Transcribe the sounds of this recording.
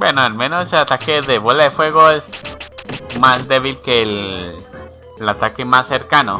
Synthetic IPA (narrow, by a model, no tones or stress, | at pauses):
bwenoalmẽnoseseat̪akeðeβolaðefwe̞ɣ̞oes | mazd̪e̞β̞ilkel | lat̪ake̞masːe̞ɾkano